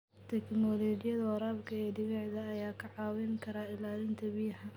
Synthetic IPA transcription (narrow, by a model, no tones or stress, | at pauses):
t̪ʰɛknɔːlɔːd͡ʒɪjɐðɐwɐɾaːbkʰɐɛːd̪ɪβɛʕðɐːjaːkʰɐʕɑːwɛŋkʰɐɾaːɪlaːlɪnt̪ʰɐbijɐhɐ